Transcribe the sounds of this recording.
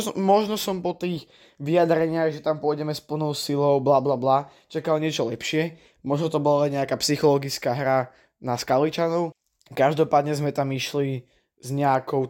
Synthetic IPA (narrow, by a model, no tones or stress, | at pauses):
mɔʒnɔsɔmpɔt̪iːx | ʋiad̪ɾɛɲɪaɣʒɛt̪ampʊɔjɟɛmɛspl̩ˠnɔʊsilɔʊblablabla | t͡ʃakalɲɪɛt͡ʃɔlɛpʃɪɛ | mɔʒnɔt̪ɔbɔlalɛɲɛakaːpsixɔlɔɡit͡skaːɦɾa | naskalit͡ʃanɔʊ | kaʒd̪ɔpaːd̪ɲɛzmɛt̪amiʃli | zɲɛakɔʊ